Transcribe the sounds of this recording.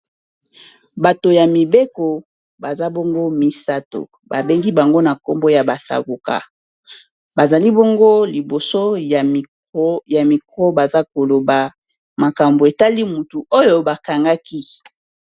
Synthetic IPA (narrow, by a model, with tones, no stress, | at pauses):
ba˨to˨ja˨mi˨be˦ko˨ | ba˨za˦bo˦ŋɡo˦mi˨sa˦to̰˨ | ba˨be˦ŋɡi˦ba˨ŋɡo˦na˨ko˦mbo˦ja˨ba˨sa̰˨ɡu˨ka̰˨ | ba˨za˨li˦bo˦ŋɡo˦li˨bo˨so˦˨˦ | ja˨mi˨kʰɔ˦ba˨za˦ko˨lo˨ba˨ | ma˨ka˨mbo˨e˨ta˦li˦mu˨tu˨o˦jo˦ba˨ka˨ŋɡa˦ki˦